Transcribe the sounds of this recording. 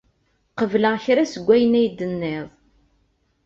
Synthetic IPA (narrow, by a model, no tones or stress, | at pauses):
qəvləçɾæsəɡʷːæjənæjd̪ənːɪðˤ